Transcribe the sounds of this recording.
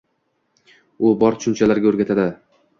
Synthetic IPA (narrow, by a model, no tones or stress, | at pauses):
ʊbɒɾʃʊnt͡ʃʰalaɾɡʲaoɾɡʲat̪ʰad̪ɪ